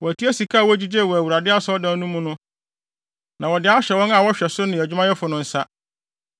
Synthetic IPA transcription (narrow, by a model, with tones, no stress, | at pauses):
wɔ˨æ˨tʰi˦æ˦si˨kʰaː˦˨wɔ˦d͡ʑi˦d͡ʑe˦˨wɔ˨æ˨wu˨ɾa˨dɪ˦a˦sɔ˦dã˦nũ˦mːũ˦nʊ̃˦ | nã˨wɔ˨dɪ˨˦a˦ɕᶣɛ˨wɔ̃˦ŋã˨wɔ˦ɕᶣɛ˨sʊ˦nɪ̃˨æ˨d͡ʑᶣʊ˦mã˦jɛ˦fʊ˨nʊ̃˦n̩˦sa˦